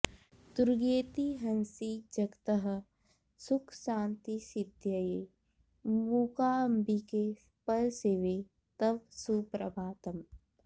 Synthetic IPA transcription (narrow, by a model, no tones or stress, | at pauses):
d̪uɾɡeːt̪iɦɐnsid͡ʒɐkt̪ɐɦɐ̆ | sʊkʰsãːnt̪isɪd̪ʱjɐje | muːkaːɐmbike | pɐlseːʋeː | t̪ɐbsupɾɐbʱaːt̪ɐm